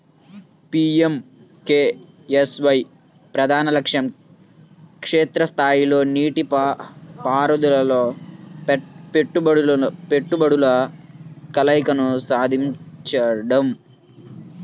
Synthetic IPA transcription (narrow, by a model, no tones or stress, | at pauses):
piːem | keː | esʋɐj | pɾɐd̪ʱaːnɐlɐkʂɐm | kʂeːt̪ɾɐst̪ʰaːjilo̞ːniːʈi | paːɾɐd̪ulɐloː | peʈːubɐɽpeʈːubɐɽulɐ | kɐlɐjkɐnusaːd̪ʱiɲt͡ʃɐɽɐm